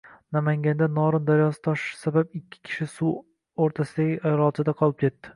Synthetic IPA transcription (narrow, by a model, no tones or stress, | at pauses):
namaŋɡʲand̪anɒɾɨnd̪aɾjɒsɪ̥t̪ʰɒʃsababɪkʲʰːɪ̥kʲʰɪ̥ʃɪsu | oɾt̪ʰasɪd̪aɡʲɪʔajɾɒt͡ʃ̪ɪd̪aqʰɒlˠɪp̚kʰʲe̞t̪ːɪ̥